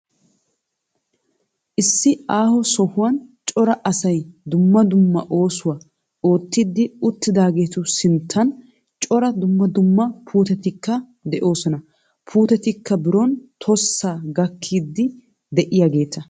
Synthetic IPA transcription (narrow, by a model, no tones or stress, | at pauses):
ʔɪsːɪaːhɔsɔhʊwɐnt͡ʃʼɔɾɐʔɐsɐjd̪ʊmːɐd̪ʊmːɐʔo̞ːsʊwɐ | o̞ːt̪ːid̪ːɪʊt̪ːɪd̪aːɡe̞ːt̪ʊsɪnt̪ʰːɐn | t͡ʃʼɔɾɐd̪ʊmːɐd̪ʊmːɐpʰuːt̪ɛt̪ɪkːɐ | d̪ɛʔo̞ːsɔnɐ | pʰuːt̪ɛt̪ɪkːɐbɪɾɔnt̪ʰɔsːaːɡɐkʰːiːd̪ːɪ | d̪ɛʔɪjaːɡe̞ːt̪ɐ